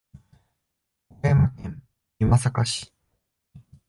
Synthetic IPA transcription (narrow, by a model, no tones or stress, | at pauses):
emakẽm | imasakaɕi̥